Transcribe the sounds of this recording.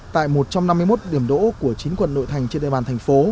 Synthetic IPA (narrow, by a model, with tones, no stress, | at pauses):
t̪a̰ː˧˨jmo˨˩t̚t͡ɕɔ˧mna˧mːɨ˧jmo˦˥t̚ɗi˧˩əmɗo̰˧˥ku˧˩ət͡ɕi˨˦nkwə̰˧˨nːo̰˧˨jt̪ʰa˨˩jŋ̟t͡ɕe˧nɗḛ˧˨ɓaː˨˩nt̪ʰjŋ̟fo˨˦